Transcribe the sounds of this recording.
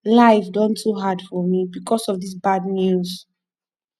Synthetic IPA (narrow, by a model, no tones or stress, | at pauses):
laɪfdɔ̃ntʰuɦad̥fɔmibikʰɔsɔvðis̬badnjuz̥